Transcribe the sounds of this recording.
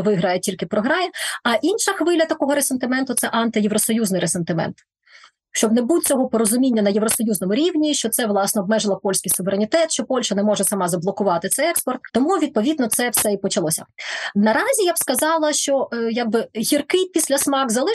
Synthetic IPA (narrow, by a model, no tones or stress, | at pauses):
ʋɪɦɾajɛtʲilʲkɪpɾɔɦɾɑjɪɐʔinʃɐxʋɪlʲɐt̪ɐkɔɦɔɾesent̪ɪmɛnt̪ʊt̪sɛʔɐnt̪ɪjeʋɾɔsɔjuznɪjɾesent̪ɪmɛ̰nt̪ | ʃt͡ʃɔbnebut̚ʲt͡sʲɔɦɔpɔɾɔzʊmʲinʲːɐnɐjeʋɾɔsɔjuznɔmʊɾʲiʋnʲiʃt͡ʃɔt̪sɛʋlˠɑsnɔːbmɛʒɪlˠɐpɔlʲsʲkʲijsʊʋeɾenʲit̪ɛt̪ʃt͡ʃɔpɔlʲʃɐnɛmɔʒɛsɐmɑzɐblˠɔkʊʋɑt̪ɪt̪sɛjɛkspɔrt̪̚t̪ɔmuʋʲid̪̚pɔʋʲid̪nɔt̪sɛwsɛipɔt͡ʃɐlˠɔsʲɐnɐɾɑzʲijabskɐzɑlˠɐʃt͡ʃɔjaɡ̚bɪɦʲirkɪpʲisʲlʲɐsmɑkzɐlˠɪ